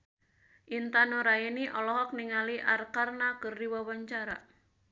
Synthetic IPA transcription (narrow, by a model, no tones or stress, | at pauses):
ʔint̪anoɾainiʔɔlɔɦɔk̚niŋaliʔarkarnakərdiwawaɲt͡ʃaɾa